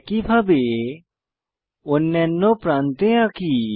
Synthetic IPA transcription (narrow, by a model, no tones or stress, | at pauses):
kipʰabe | ʊnːɛnːõpɾaːnt̪ẽjãki